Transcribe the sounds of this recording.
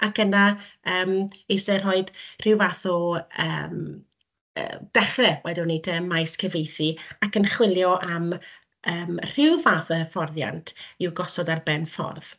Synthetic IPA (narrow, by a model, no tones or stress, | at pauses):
akənaəːmejsɛr̥ɔɨd̥r̥ɪwvaːθɔə̰m | ə̰d̥ɛɬɛwɛdɪnitʰəmajskʰəvejθiakənχwɪlˠjɔʔam | əːmr̥ɪwvaːθəəfɔrðja̰ntʰiwɡɔsɔdarbɛnfɔ̰rð̥